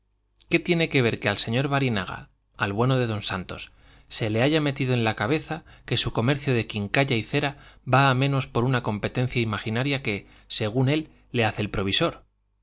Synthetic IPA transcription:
ke̞t̪je̞ne̞ke̞βe̞ɾke̞alse̞ɲo̞ɾβaɾina̰ɣ̞a̰ | alβwe̞no̞ð̞e̞ðo̞nsant̪o̞s | se̞le̞aʝame̞t̪iðoe̞nlakaβe̞θake̞suko̞me̞ɾθjoð̞e̞kiŋkaʎaiθe̞ɾaβaːmẽno̞spo̞ɾunako̞mpe̞t̪ẽ̞n̟θjaimaxinaɾjake̞ | se̞ɣ̞une̞lː | e̞aθe̞ːlpɾo̞β̞iso̞ɾ

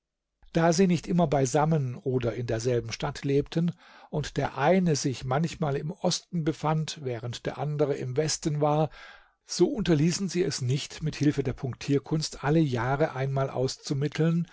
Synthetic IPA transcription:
d̥aːziːnɪçtʔɪmɐbaɪzamənʔoːdɐɪndeːɐzɛlbm̩ʃtatʰleːptʰən | ʔʊntd̥eːɐʔaɪnəzɪçmançmaːlɪmʔɔstn̩bəfantvɛːʁ̞əntd̥eːɐʔandəʁ̞əʔɪmvɛstn̩vaːɐ | z̥oːʔʊntɐliːsn̩ziːɛsnɪçtmɪthɪlfədeːɐpʰʊŋktʰiːɐkʰʊnstʔaləjaːʁəʔaɪnmaːlʔa̰ʊst͡sumɪtʰl̩n

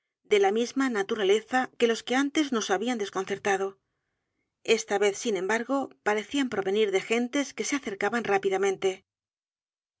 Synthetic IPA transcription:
d̪e̞lamizmanat̪uɾale̞θake̞lo̞ske̞ant̪e̞zno̞saβiand̪esko̞nθe̞ɾt̪aðo̞ | e̞st̪aβe̞θsinẽ̞mbaɾɣo̞paɾe̞θiampɾo̞βe̞niɾðe̞xe̞nt̪e̞ske̞seaθe̞ɾkaβanrapiðamẽ̞nt̪e̞

